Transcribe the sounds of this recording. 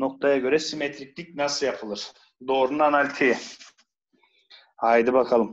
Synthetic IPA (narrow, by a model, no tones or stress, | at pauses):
noq̚t̪ɑjɑɡʲøɾæsimet̪ɾik̚t̪ʲik̚nasɯjɑpʰɯlˠɯɾ | d̪oːɾunanalʲt̪ʰi | ɑjd̪ɯbɑqʰɑlˠɯm